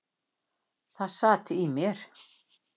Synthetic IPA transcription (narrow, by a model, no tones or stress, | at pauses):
θaðsaːt̪ɪimjɛɾ̥